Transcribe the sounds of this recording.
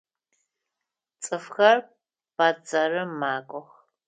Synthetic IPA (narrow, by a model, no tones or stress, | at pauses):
t͡sʼɨfxɐr | b̥ad͡zɐrɨmaːkʷʼɔχ